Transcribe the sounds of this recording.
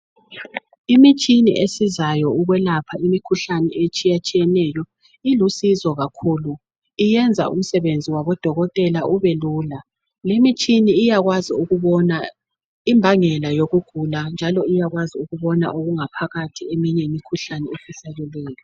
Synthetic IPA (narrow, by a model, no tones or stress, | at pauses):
imit͡ʃʼinḭʔesizajɔuɣwɛlapʰaimikʰuɬanɛet͡ʃʼijat͡ʃʼijɛnɛjɔ | ilusizɔɣakʰulu | ijɛnd͡zʱa̰ṵm̩sɛβend͡zʱiwaβɔd̥ʱɔɣɔtʼɛlaʔuβɛluːla | lemit͡ʃʼiniːjaɣwaziuɣuβɔna | imbʱaŋɛlajoɣuɡ̥ʱuland͡ʒʱalɔijaɣwaziuɣuβɔna̰ʔoɣuŋapʰaɣatʰiemiɲɛmikʰuɬanɛefisaɣɛlɛːjɔ